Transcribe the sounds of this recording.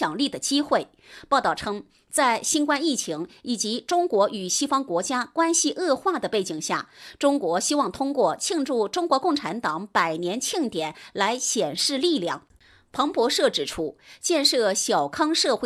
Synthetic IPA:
ɑ˨˩ŋli˥˩d̪ə˩t͡ɕi˥xwe˥˩ɪ | pɑ˥˧ʊt̪ɑ˥˩ʊʈ͡ʂʰɤ˥ŋ | t͡sa˥˩ɪɕi˥nkwa˥˧ni˥˩t͡ɕʰi˧˥ŋi˨˩t͡ɕi˧˥ʈ͡ʂʊ˥ŋkwɔ˧˥ʔy˨˩ɕi˥fɑ˥ŋkwɔ˧˥t͡ɕja˥kwa˥nɕi˧ʔɤ˥˧xwa˥˩d̪ə˩pe˥˩t͡ɕi˨˩ŋɕja̰˥˩ʈ͡ʂʊ˥ŋkwɔ˧˥ɕi˥wɑ˥˩ŋt̪ʰʊ˥ŋkwɔ˥˧t͡ɕʰi˥˧ŋʈ͡ʂu˥˩ʈ͡ʂʊ˥ŋkwɔ˧˥kʊ˥˩ŋʈ͡ʂʰa˧˥nt̪ɑ˨˩˦ŋpa˨˩ɪnjɛ˧˥nt͡ɕʰi˥˩ŋt̪jɛ˨˩˦nla˧˥ɪɕjɛ˨˩nʂɻ̩˥˧li˥˧ljɑ˥˩ŋ | pʰɤ˧˥ŋpwɔ˧˥ʂɤ˥˩ʈ͡ʂɻ̩˨˩ʈ͡ʂʰu˥t͡ɕjɛ˥˧nʂɤ˥˩ɕjɑ˨˩ʊkʰɑ˥ŋʂɤ˥˧xe˥˩

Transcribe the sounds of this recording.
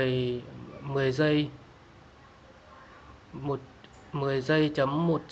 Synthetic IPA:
j | mɨ˨˩əjzə˧j | mo˨˩t̚ | mɨ˨˩əjzə˧jt͡ɕə˧˦mːo˨˩t̚t͡ɕ

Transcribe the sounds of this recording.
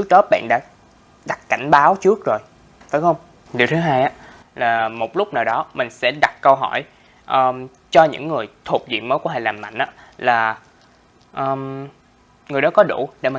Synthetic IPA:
t͡ɕɨ˦˥ək̚ɗɔː˨˦ɓa̰ː˧˨nɗa̰ː˧˥ | ɗa˨˩kka̰˧˩jŋ̟ɓaː˨˦wt͡ɕɨ˦˥ək̚zo˨˩j | fa˨˦jxə˧wŋ͡m | ɗi˨˩wt̪ʰɨ˨˦ɦaː˧jʔaː˧˥ | laː˨˩mo˨˩t̚lʊ˦˥k͡p̚naː˨˩wɗɔ˨˦mï˨˩ŋ̟sɛ̰˧˥ɗa˨˩t̚kə˧wɦɔ̰˧˩j | ʔəː˨˩ | t͡ɕɔ˧ɲɨ̰˧˥ŋːɨ˨˩əjt̪ʰu˨˩p̚zḭ˧˨ən̚məː˨˦jku˧˩˦ha˧˩˨laː˨˩mːa̰˧˨jŋ̟ʔa̰ː˨˥laː˨˩ | ʔəː˨˩m | ŋɨ˨˩əjɗɔ˨˦kɔ˨˦ɗṵ˧˩ɗḛ˧˩ma˨˩

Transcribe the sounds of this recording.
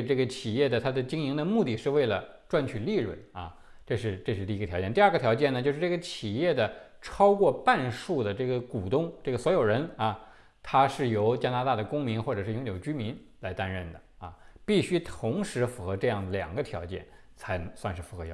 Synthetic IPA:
ʈ͡ʂɤ˥˩ɡə˩t͡ɕʰi˨˩jɛ˥˩d̪ə˩t̪ʰa˥d̪ə˨t͡ɕi˥ŋi˧˥ŋd̪ə˧mu˥˧t̪i˥ʂɻ̩˥˧we˥˩ɪlə˩ | ʈ͡ʂwa˥˧nt͡ɕʰy˨˩li˥˧ɻwə̰˥˩nɐ˧ | ʈ͡ʂɤ˥˧ʂɻ̩˥˧ʈ͡ʂɤ˥˧ʂɻ̩˥˩i˧˥ə˩jɑ˧˥ʊjɛ˥˧nt̪i˧ɐ˥˩ɡə˩t̪ʰjɑ˧˥ʊt͡ɕjɛ˥˩nə˩t͡ɕjʂɻ̩˥˩ʈ͡ʂɤ˥˩ɡə˧t͡ɕʰi˨˩jɛ˥˩d̪ə˩ʈ͡ʂʰɑ˥ʊkwɔ˥˧pa˥˧nʂu˥˩d̪ə˩ʈ͡ʂɤ˥˩ɡə˩ku˨˩t̪ʊ˥ŋʈ͡ʂɤ˥˩ɡə˩swɔ˧˥jo˨˩ʊɻə˧˥nɐ˧ | t̪ʰa˥ʂɻ̩˥˩jo˧˥ʊt͡ɕja˥na˧˥t̪a˥˩d̪ə˩kʊ˥ŋmi˧˥nxwɔ˥˩ʈ͡ʂɤ˨˩ʂɻ̩˥˩jʊ˧˥ŋjo˨˩ʊt͡ɕy˥mi˧˥nla˧˥ɪt̪a˥nɻə˥˩nd̪ə˩ɐ˧pi˥˩ɕy˥t̪ʰʊ˧˥ŋʂɻ̩˧˥fu˧˥xɤ˧˥ʈ͡ʂɤ˥˧jɑ˥˩ŋd̪ə˩ljɑ̰˨˩ŋɡə˦t̪ʰjɑ̰˧˥ʊt͡ɕjɛ̰˥˩n | t͡sʰa˧˥ɪswa˥˧nʂɻ̩˥˩fu˧˥xɤ˧˥˧

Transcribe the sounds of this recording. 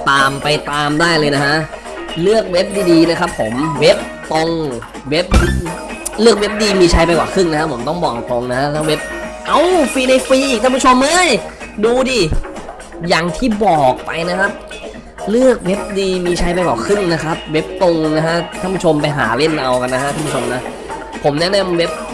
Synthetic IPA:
t̪aː˧mpa˧jt̪aː˧mdaː˥˩jlɤː˧jna˦˥ka˦˥ʔ | lɯ˥˩ək̚we˦˥p̚diː˧diː˧na˦˥kʰa˦˥pʰːo˩˦mwe˦˥p̚t̪o˧ŋ | we˦˥p̚ | lɯ˥˩ək̚we˦˥p̚diː˧miː˧t͡ɕʰa˧jpa˧jkwa̰ː˨˩kʰɯ˥˩ŋna˦kʰa˦˥pʰːo˩˦mt̪ɔ˥˩ŋbɔː˨˩k̚t̪o˧ŋna˦˥ka˦˥k̪ʰa˥˩we˦˥p̚ʔa˧˩wfiː˧na˧jfiː˧ʔiː˨˩k̪̚ʰa˥˩pu˦˥˩t͡ʃʰo˧mːa˥˩jduː˧diː˧˩ | jaː˨˩ŋt̪ʰiː˥˩bɔː˨˩k̚pa̰˧jna˦˥kʰa˦˥p̚ | lɯ˥˩ək̚we˦˥p̚diː˧miː˧t͡ɕʰa˧˥jpa˧jkwaː˨˩kʰɯ˥˩ŋna˦˥kʰa˦˥p̚we˦˥p̚t̪o˧ŋna˦˥ha˦˥ʔ̪ʰa˥˩npʰu˦˥t͡ɕʰo˧mpa˧jɦa̰ː˩˦le˥˩nʔa˧wka˧nːa˦˥a˦˥ʔ̪ʰa˥˩pʰu˥˩o˧mna˦˥ʔ | pʰo˩˦mnɛ˦˥na˧mwe˦˥p̚

